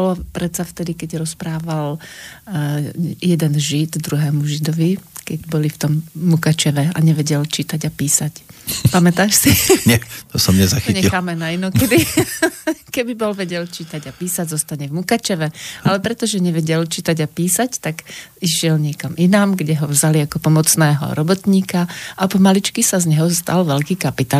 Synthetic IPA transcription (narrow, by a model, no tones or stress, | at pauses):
bɔlɔpɾɛt̪saft̪ɛd̪ikɛɟɾɔspɾaːʋal | jɛd̪ɛnʒid̪d̪ɾuɦɛːmuʒid̪ɔʋikɛɟbɔlift̪ɔmːukat͡ʃɛʋɛa̰ɲɛʋɛɟɛlt͡ʃit̪aɟapiːsacpamɛt̪aːʃsiɲɛt̪ɔsɔmɲɛzaxiɲɛilxaːmɛnainɔkɛd̪i | kɛbibɔlʋɛɟɛlt͡ʃiːt̪aɟapiːsaɟzɔst̪aɲɛvmukat͡ʃɛʋɛalɛpɾɛt̪ɔʒɛɲɛʋɛɟɛlt͡ʃiːt̪aɟapiːsact̪aɡiʒɪɛlɲɪɛkaminamɡɟɛɦɔvzaliakɔpɔmɔt͡snɛːɦɔ̰ɾɔbɔt̪ɲiːkaapɔmalit͡ʃkisazɲɛɦɔst̪a̰lʋɛʎkiːkapit̪a